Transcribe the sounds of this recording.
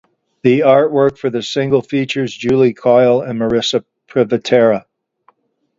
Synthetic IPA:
ðiɑɹt̚wɜ˞kfə˞ðɨsɪ̃ŋɡl̩ˠfit͡ʃə˞zd͡ʒʉlˠikʰɔɪl̩ˠə̃nmə˞ɪsɨ | pʰɹ̥ɪvɨtʰɛɹə

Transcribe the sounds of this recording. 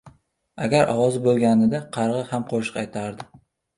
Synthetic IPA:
aɡʲaɾɒ̰wɒzɪbolˠɡʲanɪd̪aqʰɑɾʁɨhamqʰoʃɪ̥qɑjt̪ʰaɾd̪ɪ

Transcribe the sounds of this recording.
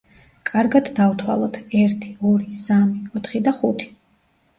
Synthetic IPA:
kʼaɾɡad̪d̪avt̪ʰwa̰lˠɔt̪ʰɛɾt̪ʰi̥ɔɾisamiɔt̪ʰχid̪aχut̪ʰi̥

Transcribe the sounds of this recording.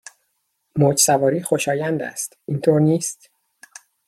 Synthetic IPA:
moːd͡ʒsævɒːɾiːxoʃɒːjænd̪æ̰st̪ʔint̪ʰoːɾniːst̪

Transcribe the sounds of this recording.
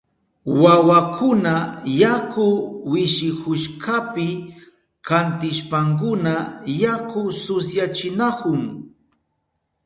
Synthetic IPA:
wawakʰʊnajakʊwɪʃɪkʊʃkapɪ | kant̪ɪʃpaŋk̬ʊnajakʊsʊsjat͡ʃɪnakʊŋ

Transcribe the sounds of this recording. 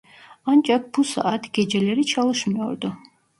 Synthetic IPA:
ant͡ʃʼap̚busa̰at̪ʰɡ̥ɛd͡ʒɛlɛɾit͡ʃʰalˠuʃmiɔɾd̪u

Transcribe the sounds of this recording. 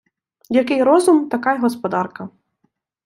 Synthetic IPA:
jakɪjɾɔzumt̪ɐkajɐɦɔspɔd̪ɑrkɐ

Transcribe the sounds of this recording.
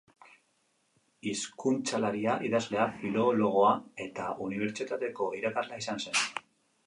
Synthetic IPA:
iskunt͡salaɾiaʔiðazle̞afilo̞lo̞ɣ̞o̞ae̞t̪aʔuniβ̞e̞ɾt͡sit̪at̪e̞ko̞iɾakazlaisanse̞n

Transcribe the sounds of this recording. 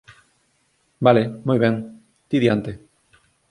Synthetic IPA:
balemojβɛŋ | t̪iðjant̪e

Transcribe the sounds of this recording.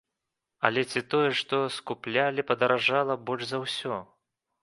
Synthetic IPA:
ɐ̰lʲɛt͡sʲit̪ɔjɛʂt̪ɔskuplʲalʲipɐd̪ɐɾaʐalˠɐbɔlʲʐzawsʲɔ

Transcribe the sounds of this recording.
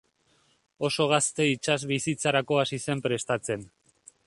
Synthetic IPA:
o̞so̞ɣ̞ast̪e̞it͡ʃazβisit͡saɾako̞asise̞mpɾe̞st̪at͡se̞n

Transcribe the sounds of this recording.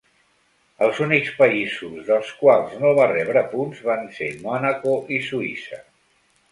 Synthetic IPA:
əlˠzunikspəizuzðəlˠskwalˠznoβarɛβɾəpunzβansemɔnəkoʔisuisə̰

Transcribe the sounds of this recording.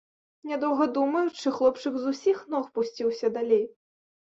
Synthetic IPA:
nʲɛd̪ɔwɣɐd̪umɐjut͡ʂɨxlˠɔpt͡ʂɨkzusʲixnɔxpusʲt͡sʲiwsʲɐd̪alʲej

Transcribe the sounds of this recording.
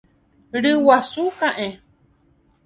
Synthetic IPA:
ɾɨwasukãʔẽ

